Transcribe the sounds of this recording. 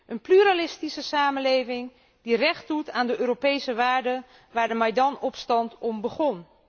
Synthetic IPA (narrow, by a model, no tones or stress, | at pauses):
ʔənplyɾalɪstisəsaːmənlejvɪŋ | dirɛχtdutaːndəʔøːɾopejsəʋaːɹdə | ʋaːɹdəmajdɑnɔpstɑntɔmbəχɔn